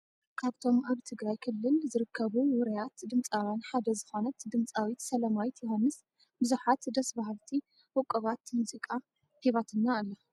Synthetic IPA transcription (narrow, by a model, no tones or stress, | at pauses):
kʰaβt̪ʰo̞mʔaβt̪ʰɨɡɾajkʰɨlːɨlzɨɾɨkʰːɐβuwʊɾɐjat̪d̪ɨmt͡sʼawjanħad̪ɐzɨxo̞nɐt̪d̪ɨmt͡sʼawit̪sɐlɐmawit̪jɛhanːɨs | bɨzuħat̪d̪ɐsbahalt̪ʰi | wɔkʼːɐβat̪muzikʼa | h̪ʰeβat̪ʰɨnːaːlːo